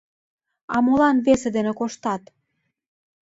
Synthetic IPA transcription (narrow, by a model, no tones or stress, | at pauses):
ɑ̰molɑnβesed̪enĕkoʃt̪ɑt̪